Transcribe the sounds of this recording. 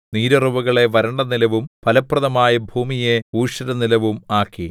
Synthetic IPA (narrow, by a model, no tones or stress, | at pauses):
niːɾɐruʋɐɣɐɭe̞ʋɐɾɐɳɖɐnilɐʋumpɐlɐprɐðɐmaːjɐbʱuːmijeuːʂɐɾɐnilɐʋumaːkːi